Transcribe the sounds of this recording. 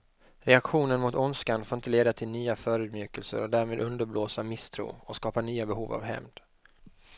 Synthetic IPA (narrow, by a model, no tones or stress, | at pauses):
ɾɛakɧuːnənmʊt̪ʊnskanfoːɾɪnt̪əleːd̪at̪ʰɪlnyːafœːɾʉ̟ːd̪mjʉːkəlsə̰ɾɔd̪æːɾmeːd̪ʔɵnd̪əɾbloːsamɪst̪ʰɾṵːɔskɑːpanyːabɛɦuːva̰vɦɛ̰md̪̥